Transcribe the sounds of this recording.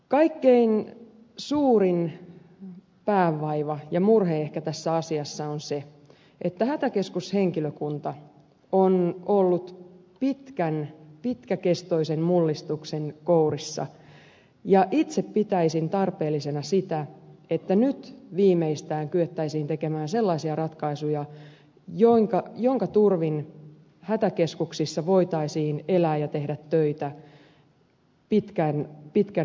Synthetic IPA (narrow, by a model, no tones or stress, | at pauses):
kɑikːein | suːrin | pæːʋːɑiʋɑjɑmurheehkæt̪æsːæɑsiɑsːɑonse | ʔet̪ːæhæt̪ækeskusheŋkiløkunt̪ɑ | onolːut̪ | pit̪kænpit̪kækest̪o̞isemmulːist̪uksenkourisːɑ̰ | jɑʔit̪seppit̪æisint̪ɑrpeːlːisenɑsit̪æet̪ːænyt̪ʋiːmeist̪æːŋkyet̪ːæisiːnt̪ekemæːnselːɑisiɑrɑt̪kɑisujɑ | joiŋkɑjoŋkɑt̪urʋin | hæt̪ækeskuksisːɑʋo̞it̪ɑisiːnelæːjɑt̪ehdæt̪ːøit̪æ | pit̪kænpit̪kæ